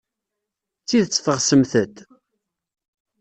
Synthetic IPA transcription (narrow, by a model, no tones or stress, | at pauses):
t͡sːiðt͡sːə̥θəʁsəmθət̪